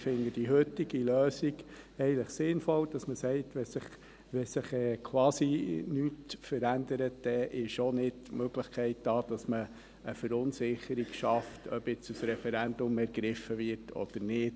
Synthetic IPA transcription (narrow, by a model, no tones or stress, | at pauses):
fɪnɡəd̥iɦøt̪ːiɡiløːsiɡɛɪələχsɪnfɔld̥ɑsməsɛɪtʋɛsɪχ | ʋɛsɪχɛːkʰwɑːsinyːtfəɾænd̪əɾətd̥ɛʔɪʃonɪtmøɡləχkʰɛɪt̚d̥ɑːd̥ɑsməː | fəɾʊnsɪχəɾiɡʃɑftʰœpɪt͡susɾɛfɛɾænd̥̪ʊmɛɾɡɾɪfːəʋɪɾtʰɔ̰d̥̪əɾnɪːt